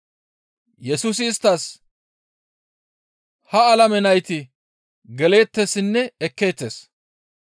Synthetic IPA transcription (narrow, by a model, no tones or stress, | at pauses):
jɛsuːs̬ɪːst̪ːɐs | hɐɐlɐmɛnɐjt̪ɪ | ɡɛle̞ːt̪ːesɪnːɛɛkːe̞ːt̪ːeːs